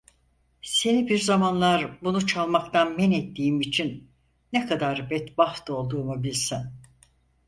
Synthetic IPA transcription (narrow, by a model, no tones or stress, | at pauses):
se̞nibiɾzamanlˠaɾbunut͡ʃʰalˠmakt̪ʰanmɛnɛt̪ːiːimit͡ʃʰinː | ɛkʰad̪aɾbɛt̪bafd̪o̞lˠd̪uːmubilʲsin